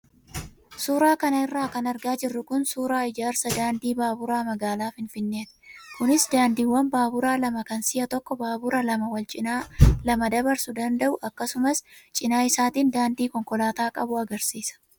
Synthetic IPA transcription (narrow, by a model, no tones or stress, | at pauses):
suːɾaːkɐnɐɪrːaːkɐnɐɾɡaːd͡ʒɪrːʊkʊnsuːɾaːɪd͡ʒaːɾsɐd̪aːnd̪iːbaːbʊɾaːmɐɡaːlaːfɪnfɪnːe̞ːt̪ɪ̥kʊnɪsd̪aːnd̪iːwːɐnbaːbʊɾaːlɐmɐkɐnsɪjɐt̪ɔkːɔbaːbʊɾɐlɐmɐwɐlt͡ʃʼɪnaːlɐmɐd̪ɐbɐɾsʊd̪ɐnd̪ɐʔʊʔɐkːɐsʊmɐst͡ʃʼɪnaːɪsaːt̪iːnd̪aːnd̪iːkɔŋkɔlaːt̪aːkʼɐbʊɐɡɐɾsiːsɐ̥